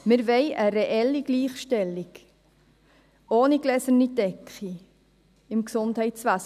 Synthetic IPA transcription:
mɪɾʋɛɪʔəɾeʔɛlːiɡ̥liːχʃtɛlik | oːniɡlɛsənidɛkχi | ɪmksʊndhɛɪsʋæs

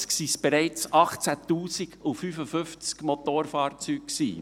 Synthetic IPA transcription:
sksisb̥ɛɾɛɪt͡sɑχt͡sæt̪uːsiɡufyfəfʏft͡skmɔt̪oɾfɑːɾt͡syːkksḭː

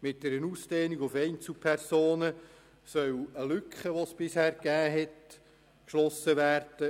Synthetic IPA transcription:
mɪt̚d̥ɛɾənuːsd̥eːniɡʊfɛɪnt͡sl̩pʰɛrsoːnə | sœwəlʏkχəʋosb̥ɪshæːɾɡæːɦɛt | kʃlɔsəʋæːrd̥ə

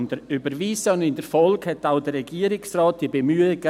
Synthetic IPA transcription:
nd̥əɾybəɾviːsəʊnɪndəfɔlkhɛtaʊd̥əɾrɛɡiːəɾɪksraːt̚d̥iəbemyːəɡ

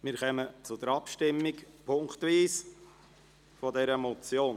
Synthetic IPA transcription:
mɪɾχœmət͡sʊd̥̪əɾɑpʃtɪmːɪkpʰʊŋkt̪ʋiːs | fɔdɛɾəmɔt͡sjoːn

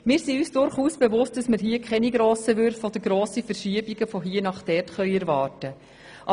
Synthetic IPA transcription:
mɪːɾsiyːsd̥ʊɾχuːsb̥evʊst̚d̥ɑsmɪɾɦiəkχɛniɡɾoːsəʋʏɾfɔd̥̪əɡɾoːsifəɾʃiəbiɡəfoɦiːənɑχtɛrtχœʏɛɾvɑːɾtə | ʔɑ

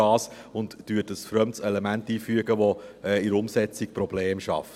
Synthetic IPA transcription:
ɑːs | ʊntd̥yətəsfɾœmtsɛlɛmæntiːfyəɡəʋoɛːɪɾʊmsɛt͡sik̚pɾɔbleːmʃɑ̰ft

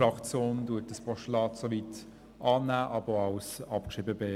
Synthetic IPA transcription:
ɾɑkt͡sjoːnduətəspɔʃtlɑːtsovit | ʔɑːnæːʔɑbəoɑwsɑpkʃiːbəbeː

